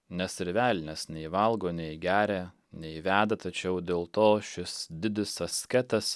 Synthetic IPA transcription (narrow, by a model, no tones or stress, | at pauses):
nʲɛsɪɾʲʋʲæːlʲnʲɛsnʲɛɪʋɐlˠɡoːnʲɛɪɡʲæːɾʲæ | nʲɛɪʋʲæːd̪ɐt̪ɐt͡ʃʲɛʊd̪ʲeːlˠt̪oːʃʲɪsd̪ʲɪd̪ʲɪsɐsʲkʲɛt̪ɐs